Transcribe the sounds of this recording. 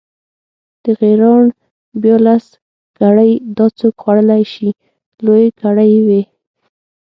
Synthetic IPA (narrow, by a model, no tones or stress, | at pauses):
d̪̥əɣeɾɑɳ | bjɑlas | ɡ̥aɽəjd̪ɑt͡sokxwaɽəlajʃi | lojɡaɽajwe